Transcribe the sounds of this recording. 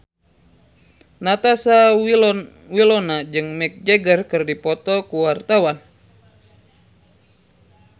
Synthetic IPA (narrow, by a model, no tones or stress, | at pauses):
nat̪asa | wilɔnad͡ʒɨŋmɛk̚d͡ʒeɡərkɨrdipɔt̪ɔkuwart̪awan